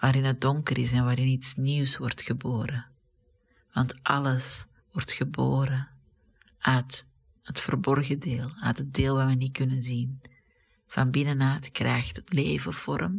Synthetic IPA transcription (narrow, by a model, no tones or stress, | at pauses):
ʋaːɾɪnət̚dɔŋkərɪs̬ɛnʋaːɾɪnitsniwsʋɔrtxəboːɾə | ʋɑntʔɑləs | ʋɔrtxəboːɾə | œɥt | hətfərbɔrɣədeːlˠœːtɦət̚deːlˠʋaʋənikɵnənzin | v̥ɑnbɪnənœːtkrɛ̰jxtətleːvəv̥ɔ̰rəm